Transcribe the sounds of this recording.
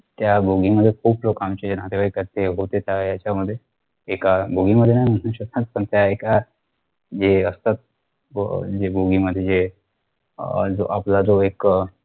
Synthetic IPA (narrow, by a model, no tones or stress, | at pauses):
t̪jabʱoɡiməd̪ʱːjekʰuːplokamt͡ɕed͡ʑen̤at̪eʋaikəɾt̪eɦot̪et̪jajat͡ɕaməd̪ʱːje | ekabʱoɡiməd̪ʱːjenaɦjm̤ənə̃ɕət̪at̪̚pənt̪jaeka | d͡ʑeəst̪at̪̚ | d͡ʑeboɡiməd̪ʱːjed͡ʑe | d͡zo̰ʔaplad͡zoek